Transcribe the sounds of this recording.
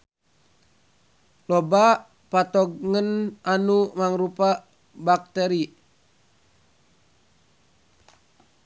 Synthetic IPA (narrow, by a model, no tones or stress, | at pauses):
lɔba | pat̪ɔɡŋənanumaŋɾupa | bak̚t̪ɛɾi